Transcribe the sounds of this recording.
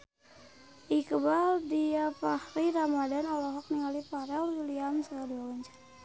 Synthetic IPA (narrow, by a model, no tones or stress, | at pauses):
ʔikəbaldiapahriɾamadanɔlɔɦɔk̚niŋalipaɾɛluliamsəadialɔɲt͡ʃḁ